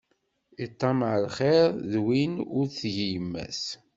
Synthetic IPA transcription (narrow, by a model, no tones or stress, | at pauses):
it̪ˤːɑmʕəlχeɾðwinʊɾθʝijəmːæ̰s